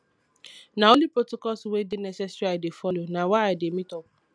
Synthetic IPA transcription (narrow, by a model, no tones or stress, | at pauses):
nãõlipɹotokɔswedenɛsɛsɹiadefɔlonãwaaɪdemĩtɔp̚